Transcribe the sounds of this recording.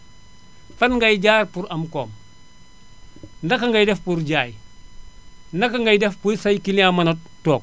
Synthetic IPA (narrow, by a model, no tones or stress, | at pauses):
fɐnŋɡɐjɟaːɾpuɾɐmkoːm | ndɐkːaŋɡajdɛfpuɾɟaːj | nɐkːaŋɡajdɛfpujsɐjkilamɐnɐtoːk̚